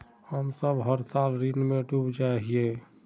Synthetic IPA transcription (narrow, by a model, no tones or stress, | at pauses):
həmsəbɦəɾsalɾinmeɖubd͡ʒaɦije